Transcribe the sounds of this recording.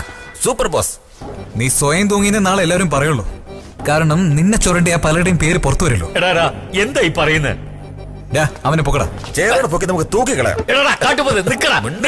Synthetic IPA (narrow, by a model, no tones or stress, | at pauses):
suːpːɐrboːs | niːsojɐmt̪uːŋːinːɐnaːɭelːaːɐɾumpɐrɐjuɭːo̰ | kaːɾɐɳɐmninːet͡ɕːorɐɳɖijaːpɐlɽɐjumpe̞ːɾɨporɐt̪ːuʋɐɾulːo̰ːeɽaːɾaː | end̪ajipɐrɐjunːɨ̰ | jaːɐʋɐnepokːɐɽa̰ | t͡ɕeːɾɐːɽɐp̬okːinɐmukːɨt̪uːkːikːɐɭɐ̰ja̰meɽaːɾaːkaːʈːupoːðenikːɐɽamuɳɖ